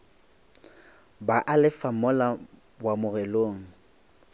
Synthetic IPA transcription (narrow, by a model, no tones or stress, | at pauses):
baʔalɪfamɔla | bwamʊrɛloːŋ̩